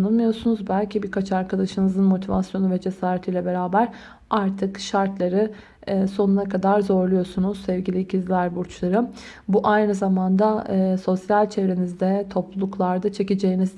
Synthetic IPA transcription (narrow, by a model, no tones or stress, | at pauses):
nɯnmɯjo̞sunuzbælʲcʰibiɾkat͡ʃʰaɾkʰad̪aʃɯnɯzɯnmo̞t̪ʰiva̰sjo̞nuvɛd͡ʒe̞saːɾet̪ʰijlʲɛbe̞ɾaːbæɾ | aɾt̪ʰɯkʃaɾt̪lˠaɾɯː | so̞nunakʰad̪aɾzo̞ɾlˠujo̞sunuz̥sɛvɟilʲicʰizlʲæɾbuɾt͡ʃlˠaɾɯ | buʔajnɯzamand̪aso̞sjalʲt͡ʃʰevɾe̞nizd̪ɛt̪ʰo̞plˠulˠuklˠaɾd̪at͡ʃʰe̞cid͡ʒejiniz